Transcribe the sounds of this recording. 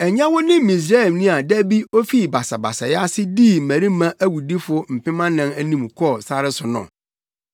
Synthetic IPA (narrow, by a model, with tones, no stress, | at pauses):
ɛ˨ɲã˦wʊ˦nɪ̃˦m˦ĩ˨s̬ɾa˦ɛ˨mnĩ˦a˨dæ˦bi˦o˦fi˦˨ba˨sa˨ba̰˨sa˨ja˦sɪ˦diː˦˨mæ̃˨ɾi˦mã˦ʔæ˦wu˨di˦fʊ˦m̩˨pɪ̃˦mã˦nã˦næ˦nĩ˦˨mkʰɔ˦˨sa˦ɾɪ˦sʊ˨nʊ̰̃˨